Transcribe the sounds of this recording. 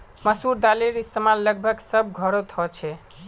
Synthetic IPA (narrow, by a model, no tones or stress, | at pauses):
məsuɾd̪aleɾist̪emalːəɡ̚bʱəɡsəb̚ɡʱɔɾot̪ʰɔt͡ʃʰɛ